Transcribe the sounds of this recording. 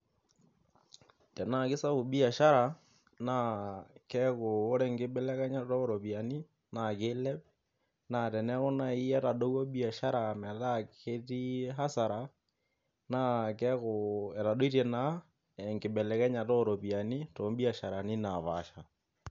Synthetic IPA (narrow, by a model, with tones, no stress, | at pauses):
tɛ˨na˨ki˦sa˦βo˨bi˦a˨ʃa˦ɾa˨ | na˨kɛ˦ɣoː˦ɾɛ˦ŋɡe˦bɛ˦lɛ˦ɣɛ˦ɲa˦tɔ˦ɾo˨βja˨ni˦ | na˨kelɛ˦p | na˨tɛ˨nɛ˦ɣo˦na˨i˦ɛ˦ta˨ɗo˦ɣwo˦bi˦a˨ʃa˦ɾa˨mɛ˨ðake˦ti˦ɦa˦sa˨ɾa˨ | nakɛ˦ɣoe˨ta˨ɗo˦i˦ɾɛ˨na˦ | eŋɡe˨bɛ˨lɛ˨ɣɛ˦ɲa˨tɔ˦ɾo˨βia˨ni˦to˨˦mbi˦a˨ʃa˨ɾa˨ni˦na˨βa̰˨ʃa˨